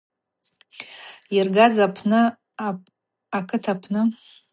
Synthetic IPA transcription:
irɡazapʰnɨ | akʰɨtʰapʰnɨ

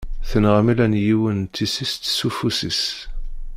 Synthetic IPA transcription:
θənʁamilænjiwənt͡s̪ːisist̪sufusis

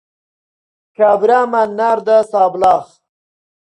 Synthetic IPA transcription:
kaːbɾaːmanːaɾd̪asaːblaːχ

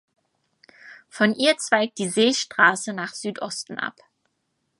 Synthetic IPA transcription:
fɔnʔiːɐt͡sv̥aɪk̚d̥iːzeːʃtʁ̥aːsənaːχz̥yːtʔɔstn̩ʔa̰p

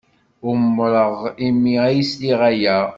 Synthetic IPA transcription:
ʊɾmːɾˤəʁimːiæjisliʁæjæ

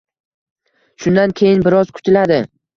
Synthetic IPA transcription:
ʃʊnd̪ankʲʰejɪnbɪɾɒzkʰʊ̥t̪ʰɪlad̪ɪ

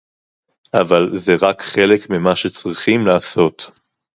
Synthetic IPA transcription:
ʔavalzeʁakχe̞lekmimaʃet͡sʁiχimlaːso̞t̪

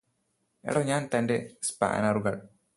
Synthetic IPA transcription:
ɛ̰ɽɔɲaːnt̪anɖɛspa̰ʔa̰naɾuɡaɭ

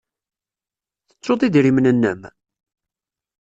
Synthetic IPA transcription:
θə̥t͡sːot̪ˤid̪ɾimnənːə̰m

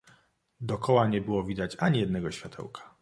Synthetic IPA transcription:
d̪ɔkɔwaɲɛbɘwɔvʲid̪at͡ɕaɲijɛd̪nɛɡɔɕfʲjat̪ʰɛ̰wkʰḁ

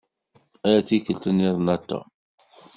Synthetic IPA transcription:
æjæθikəlt̪ənːiðˤnæt̪ːæ̰

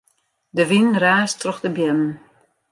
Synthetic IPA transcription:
dəʋinraːstrɔxdəbjɛmən̩

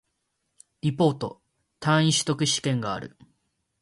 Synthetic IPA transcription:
ipːo̞ːt̪o̞̰ | t̪ãɰ̃ĩɕi̥t̪o̞kɯ̟ɕi̥kẽ̞ŋɡa̰ːɾɯ̟̰

